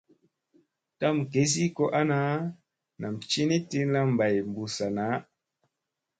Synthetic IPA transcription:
ta˦mke˨˦s̬i˦ko˦ʔa˦na˨˦ | na˨mt͡ʃi˦ni˦ti˧la˦mba˨jm˨bu˨sa˨na˨˦

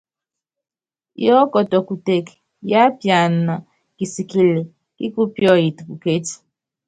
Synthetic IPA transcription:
jɔ˦kɔ˨tɔ˨ku˨te˨k | ja˦pja˨n̩˨na˨ | ki˨si˨ki˨le˨ | kḭ˦ku˦pjɔ˦ji˨tu˨pu˨ke˦ti̥˨

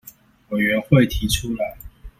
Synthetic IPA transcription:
we˨˩ɥɛ˧˥nxwe˥˨ɪt̪ʰi˨˥ʈ͡ʂʰu˥la˨˦ɪ

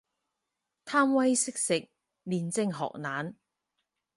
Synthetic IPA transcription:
t̪ʰaː˥mwɐ˥jsɪ˥k̚sɪ˨k̚ | liː˨nt͡sɪ˧ŋɦɔ̰ː˨k̚naː˨˥n

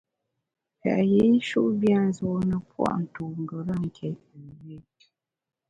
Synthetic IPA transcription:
pa̰˨ʔje˨˦ʃṵ˦ʔbja˦˨n̩˦zo˨˦nə˨pwa̰˦˨ʔn̩˨tu˨ŋ˨ɡə˨ɾə˦˨ŋ̩˨kʰɛ˨t | ə˨we˦t

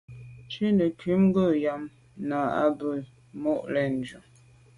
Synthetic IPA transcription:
t͡ʃi˦nə˨kɥi˨˦m˦ɡə˦˨ja˨m | na˨a̰˦bə˦˨ | mɔ˦ʔlɛ˦˨n˨d͡ʒu˨

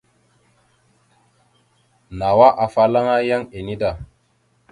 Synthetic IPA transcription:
na˨wa˦ʔa˨fa˦la˦ŋa˦ja˦ŋe˨ni˦da˨

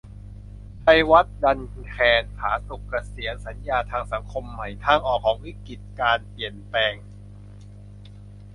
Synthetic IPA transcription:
pa˧˩jwa˦˥t̪̚da˧n | kʰɛː˧nhʰaː˩˦su˨˩kːa˧si˩˦ənsa˩˦njaː˧t̪ʰaː˧ŋsa˩˦ŋkʰo˧mːa˨˩jt̪ʰaː˧˥˩ŋʔɔː˨˩kʰːɔː˩˦ŋwi˦˥˩ki˨˩t̪̚kaː˧npli˨˩ənpɛː˧ŋ

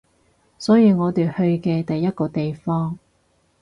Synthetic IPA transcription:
sɔː˨˥jiː˨˧ŋɔː˨˧t̪yː˨˩hɵ˧ɥkɛː˧t̪ɐ˨jːɐ˥t̚kɔː˧t̪e˨jfɔː˥ŋ

